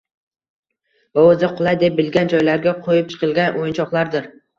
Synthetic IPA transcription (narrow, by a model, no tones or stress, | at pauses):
vaozɪqʰʊlˠajd̪ep̚bɪlɡʲand͡ʒɒjlaɾɡʲaqʰojɪp̚t͡ʃʰɨ̥qʰɨlˠɡʲanʔojɪnt͡ʃʰɒqlˠaɾd̪ɪɾ